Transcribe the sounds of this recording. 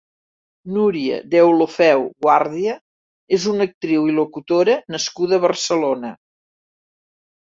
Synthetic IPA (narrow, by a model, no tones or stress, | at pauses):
nuɾiə̰d̪ɛwlufɛwɣwaɾðiə | ezunək̚t̪ɾiwilukut̪oɾənəskuðəːβərsəlonə